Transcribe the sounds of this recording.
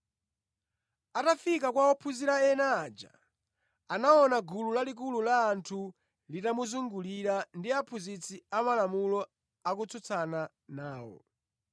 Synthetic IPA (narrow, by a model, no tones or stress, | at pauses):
atafikakwaɔpʰuziɾaɛnaːd͡ʒa̰ | anaɔnaɡululalik̬ululaːntʰu | litamuzuŋɡuliɾandiapʰuzit͡sʰiamalamulɔ | akut͡sut͡sʰana | naːwɔ̰